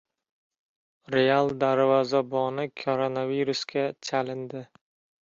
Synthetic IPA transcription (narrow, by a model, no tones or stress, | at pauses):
ɾealˠd̪aɾvɒzabɒnɪkʰoɾonaviɾuskʲat͡ʃʰalɪnd̪ɪ